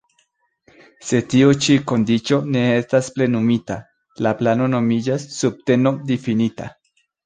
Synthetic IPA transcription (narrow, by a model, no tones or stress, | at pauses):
se̞t̪iot͡ʃiko̞nd̪it͡ʃo̞ne̞est̪asple̞numit̪a | laplano̞no̞mid͡ʒasːub̚t̪e̞nod̪ifinit̪a̰